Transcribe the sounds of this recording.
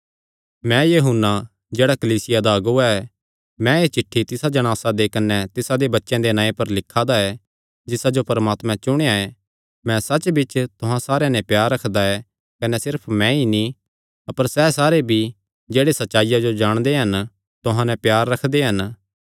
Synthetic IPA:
mɛ̃jɐɦʊnːa | d͡ʒeːɽakɐliːsɪjad̪aɐɡuaɛ | mɛ̃eːt͡ʃɪʈʰːit̪ɪsad͡ʒɐɽ̃aːsad̪ekɐnːɛt̪ɪsad̪ebɐtːʃɛ̃d̪enãːẽpɐɾlɪkʰːad̪aɛ | d͡ʒɪsad͡ʒopɐɾmaːt̪mɛ̃t͡ʃʊɽ̃eae | mɛ̃sɐt͡ʃbɪt͡ʃt̪ʊɦãsaːɾejẽnɛ̃pjaːɾːɐkʰd̪aɛ | kɐnɛsɪɾpʰmɛ̃ini | ɐpəɾsɛːsaːɾebʱi | d͡ʒeːɽesɐtːʃaːijad͡ʒod͡ʒaːɽ̃d̪eɦɐn | t̪ʊɦãnɛ̃pjaːɾːɐkʰd̪eɦɐn

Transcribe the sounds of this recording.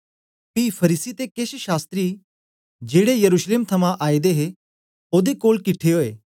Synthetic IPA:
piːpʰɐɾiːsit̪ekeʃʃaːst̪ɾi | d͡ʒeːɽejɐɾuːʃleːmt̪ʰɐmãʔaːid̪eɦe | oːd̪ekoːlkɪʈʰːeɦoːeː

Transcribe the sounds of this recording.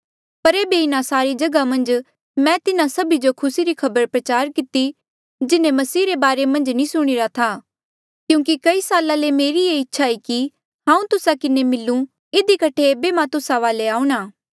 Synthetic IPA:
pɐɾeːbeɪnasaːɾid͡ʒɐɡamɐ̃nd͡ʒ | mɛ̃t̪ɪnãsɐbid͡ʒokʰʊsiɾikʰɐbəɾpɾɐt͡ʃaːɾkɪt̪i | d͡ʒɪnẽmɐsiːɾebaːɾemɐ̃nd͡ʒnĩsʊɽ̃ɪɾat̪ʰaː | kjũːk̬ikɐisaːlalemeːɾieɪtːʃʰaiki | ɦãːũt̪ʊsakɪnemɪlːũ | ɪd̪ikɐʈʰeːbemãt̪ʊsaʋaːleaːũɽ̃aː

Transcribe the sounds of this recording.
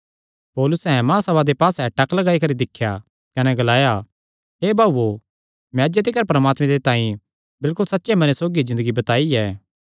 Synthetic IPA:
poːlʊsɛ̃mãːsɐbad̪epaːsɛʈɐklɐɡaːikɐɾid̪ɪkʰːja | kɐnɛɡɐlaːja | ɦeːbʱaːbuo | mɛ̃d͡ʒet̪ekɐɾpɐɾɐmaːt̪mẽd̪et̪ãːĩ | bɪlkʊlsɐtːʃemɐnesoːɡizɪ̃nd̪əɡibɐt̪aːiɛː

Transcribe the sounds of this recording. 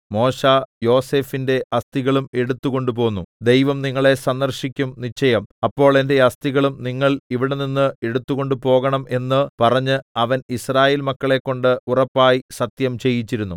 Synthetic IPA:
mo̞ːɕajo̞ːse̞ːfinde̞ʔɐst̪iɣɐɭume̞ɽut̪ːuɣo̞ɳɖup̬o̞ːnːud̪e̞jʋɐmniŋːɐɭe̞sɐnd̪ɐrɕikʲːumnit͡ɕːɐjɐmɐpːo̞ːɭe̞nde̞ɐst̪iɣɐɭumniŋːɐɭiʋiɽe̞ninːɨe̞ɽut̪ːuɣo̞ɳɖupo̞ːɣɐɳɐmʔe̞nːɨpɐrɐɲːɨɐʋɐnisraːjeːlmɐkːɐɭe̞kːo̞ɳɖɨurɐpːaːjisɐt̪jɐmt͡ɕe̞jːit͡ɕːiɾunːu

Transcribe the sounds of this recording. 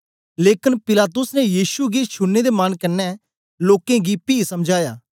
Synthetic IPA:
leːkɪnpɪlaːt̪ʊsnɛjiːʃuɡiːt͡ʃʰʊnːed̪emankənːɛː | loːkẽːɡipiːsəmd͡ʒʱaːjaː

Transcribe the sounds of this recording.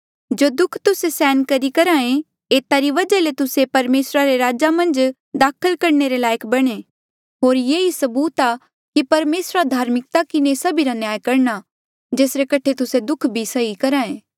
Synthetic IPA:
d͡ʒoːd̪ʊkʰt̪ʊsesɛːnkɐɾikɐɾãːẽ | eːt̪aɾiʋɐd͡ʒalet̪ʊsepɐɾmeːsɾaɾeɾaːd͡ʒamɐ̃nd͡ʒ | d̪aːkʰəlkɐɾɳeɾelaːjəkbɐɽ̃e | ɦoːɾjeːisɐbuːt̪a | kipɐɾmeːsɾad̪ʱaːɾmɪk̚t̪akɪnesɐbʱiɾanjaːjkɐɾña | d͡ʒeːsɾekɐʈʰet̪ʊsed̪ʊkʰbʱisɐikɐɾãːẽː

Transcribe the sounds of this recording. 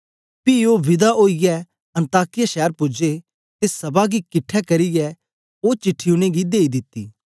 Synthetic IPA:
piːoːʋɪd̪aʔoːijɛ | ɐ̃nt̪aːkɪjaʃɛːəɾpʊd͡ʒe | t̪esɐbaɡikɪʈʰːɛkɐɾijɛ | oːt͡ʃɪʈʰːɪjũɽ̃eɡid̪eːid̪ɪt̪ːḭː

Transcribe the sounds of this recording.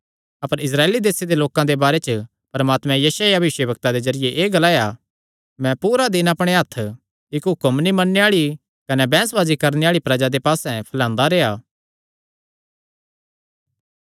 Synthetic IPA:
ɐpəɾɪs̬ɾaːeːlid̪eːsed̪eloːkãd̪ebaːɾet͡ʃə | pɐɾɐmaːt̪mɛ̃jɐʃajabʋɪʃjəbɐkt̪ad̪ezɐɾɪjeʔeːɡɐlaːja | mɛ̃puːɾad̪ɪnapɽ̃eɦɐt̪ʰː | ɪkɦʊkəmnĩmɐnːeaːɭi | kɐnɛbɛ̃ːsʋaːzikɐɾneaːɭipɾɐd͡ʒad̪epaːsɛ̃pʰɐlãːnd̪aɾeːaː

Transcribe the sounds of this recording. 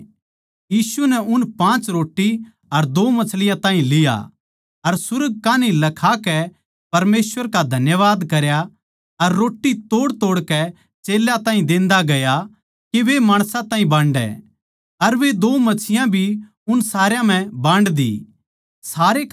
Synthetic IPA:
jiːsunɛʊnpãːt͡ʃɾoːʈːi | ɐɾd̪oːmɐt͡ʃʰlɪjãt̪ãːɦĩlɪja̰ | ɐɾsʊɾəɡ̚kaːnĩlɐkʰakɛ | pɐɾmeːsʋəɾkad̪ʱɐnjəʋaːd̪kɐɾja | ɐɾːoːʈːit̪oːɽt̪oːɽkɛ | t͡ʃeːlːjat̪ãːɦĩd̪ɪ̃ːnd̪aɡɐja | keʋemaːɽ̃sãt̪ãːɦĩbãːɳɖɛ̰ | ɐɾʋed̪oːmɐt͡ʃʰɪjãbʱi | ʊnsaːɾjãm̤ɛ̃bãːɳɖd̪ḭː | saːɾe

